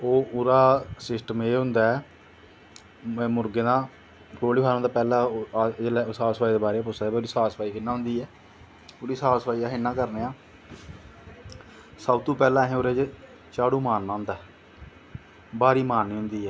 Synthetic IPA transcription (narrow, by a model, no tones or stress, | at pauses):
oːʊɾaːsɪsʈəmeːɦʊ̃nd̪aːɛ | mʊɾɡeːnãː | k̪oːɽiːɦaːnõnd̪aːpɛːlãːd͡ʒelɛsaːspaːiːd̪eːbaːɾeːpʊsaːɛboɾiːsaːsəpaːiːkɪnːaːɦʊ̃nd̪iːɛː | oːɾiːsaːspaːiːaːɦɪnːãːkəɾneːãː | saːt̪ũːpɛːlãːɦẽːoːɾeːd͡ʒe | t͡ʃaːɽuːmaːnːãːnd̪aː | baːɾiːmaːnːeːʊ̃nd̪iːɛː